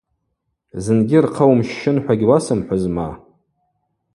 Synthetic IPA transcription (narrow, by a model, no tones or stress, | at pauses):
zɨnɡʲɪrqʰawmʃːɪnħʷᶣaɡʲwasɨmħʷazma̰